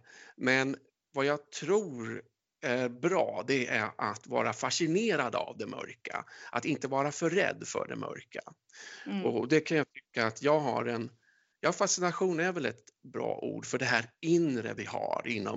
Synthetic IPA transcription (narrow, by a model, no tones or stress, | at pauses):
mɛn | vajɑɡt̪ʰɾuːɾ | æɾbɾɑːd̪ɛæɾat̪vɑ̰ːɾafaʂɪneːɾad̪a̰vd̪ɛmʔœ̰ɾkaʔat̪ɪnt̪əvɑːɾafœːɛ̰d̪ːfœ̰ɖɛ̰mʔœ̰ɾkʰa | ɔd̪ɛkʰanjat̪ʰʏ̥kːaːt̪ʰjɑːɡɦa̰ɾɛn | jɑːfasɪnaɧuːnæɾvɛlɛ̰t̪bɾɑ̰ːʔṵːɖfœɖɛɦæːɾɪnɾə̰vɪhaɾɪnːɔ